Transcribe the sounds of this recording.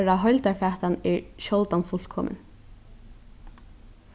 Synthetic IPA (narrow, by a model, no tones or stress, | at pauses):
ɾaðɦɔjlt̪afaːht̪anɛɹɕɔwlt̪anfʊl̥kʰɔ̰ːmʔɪ̰n